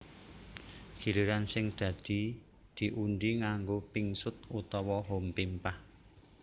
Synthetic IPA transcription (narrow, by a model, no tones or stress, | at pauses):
ɡ̥iliɾansɪŋd̪̥ä̤d̪̥i̤ | d̪̥i̤ʔunɖiŋaŋɡopɪŋsʊt̪̚ut̪ɔwɔɦompimpah